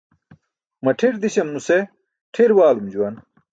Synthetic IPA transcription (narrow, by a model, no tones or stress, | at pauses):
mɐʈʰiɾd̪iɕɐmnuse | ʈʰiɾwaːlumd͡ʑuwɐn